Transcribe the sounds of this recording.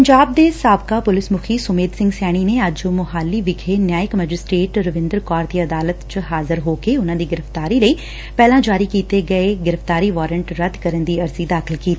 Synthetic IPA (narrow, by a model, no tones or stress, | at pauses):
əɲd͡ʒaːb̚d̪eːsaːbkaːpʊlɪsmʊkʰiːsʊmeːd̪sɪ̃ŋɡsɛːɽ̃ineəd͡ʒmʊɦaːlːiːʋɪɡʰʱenjaːjɪkmɛd͡ʒɪsʈɾeːʈɾəʋɪ̃nd̪əɾkɔːɾd̪iːəd̪aːlət̪t͡ʃəɦaːzɪɾɦoːkeʊnãːd̪iːɡɪɾəft̪aːɾiːləiː | pɛːlãːd͡ʒaːɾikiːt̪eɡəeɡɪɾəft̪aːɾiːʋɔːɾəɳʈɾəd̪kəɾənd̪iːɐɾzid̪aːkʰɪlkiːt̪iiː